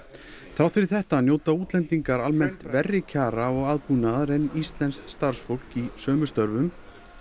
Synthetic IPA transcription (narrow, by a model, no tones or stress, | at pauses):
θɾawt̪fɪɾɪθɛht̪anjoːwt̪auːt̪lɛnt̪iŋkaɾalmɛn̥t̪vɛrːɪcʰaːɾaɔɣaːðpunaðɾɛnːist̪lɛnst̪st̪aɾ̥sfowl̥kisœːmʏst̪œɾvʏm